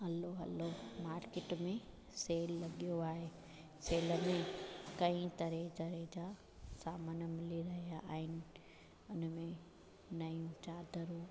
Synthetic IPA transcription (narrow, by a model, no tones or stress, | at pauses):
ɦɐloɦɐ̰lomaːɾkeːʈmẽ | seːlːɐɠijoaːɦeː | seːləmẽkɐ̃ĩt̪ɐɾet͡ɕɐɾed͡ʑaː | saːmənmɪliɾɐɦijaʔːɦɪnɪ̆ | ʊnmẽ | nɐiũt͡ɕaːd̪ʱəɾuː